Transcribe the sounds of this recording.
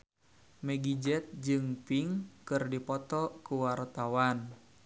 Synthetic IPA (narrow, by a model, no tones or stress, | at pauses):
mɛɡid͡ʒɛt̪̚d͡ʒɨŋpiŋkɨrdipɔt̪ɔkuwart̪awan